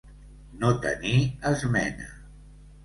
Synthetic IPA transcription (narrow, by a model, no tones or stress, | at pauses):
not̪ə̰niəzmɛnə̰